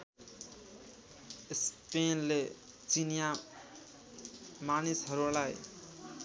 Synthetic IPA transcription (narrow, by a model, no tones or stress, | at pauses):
spenle | t͡sinja | manisɦʌɾulaj